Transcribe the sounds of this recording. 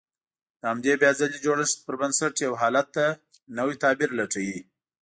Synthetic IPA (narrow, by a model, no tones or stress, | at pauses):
d̪̥əhamd̪ebjɑzalid͡ʒoɽəʂt̪̚pəɾbənsaʈjawɦɑlat̪ːa | nawit̪ɑbiɾlaʈ͡ʂawi